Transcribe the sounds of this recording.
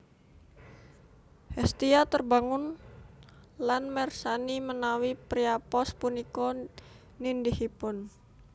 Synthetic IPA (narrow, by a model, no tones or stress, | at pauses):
hɛst̪iat̪ərbaŋʊn | lanmɛrsanimənawipɾiapɔspunikɔ | nindihipʊn